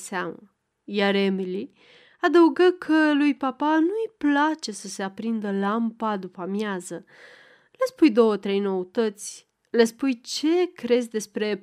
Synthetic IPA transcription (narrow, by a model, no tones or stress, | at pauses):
sea̰mə | jaɾemili | ad̪əuɡəkʰəlujpapanujplat͡ʃe̞səse̞apɾind̪əlampad̪upamjazə | lespujd̪o̞wət̪ɾe̞jno̞ut̪ət̪sʲ | lespujt͡ʃe̞kɾe̞zʲd̪e̞spɾe̞